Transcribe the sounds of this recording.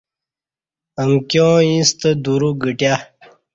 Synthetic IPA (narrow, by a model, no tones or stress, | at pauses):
əmkjõːĩst̪əd̪uɾuɡəʈja